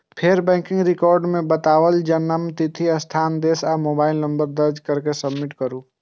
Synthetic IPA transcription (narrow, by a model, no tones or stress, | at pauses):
pʰeɾbɛ̃ːkɪ̃ŋɡɾɪkɔːɾɖmẽbət̪aːwəld͡ʒənːəmt̪ɪt̪ʰiɐst̪ʰaːnd̪eːsaːmoːbaːɪlnə̃mbəɾd̪əɾd͡ʒkəɾkesəbmɪʈkəɾuː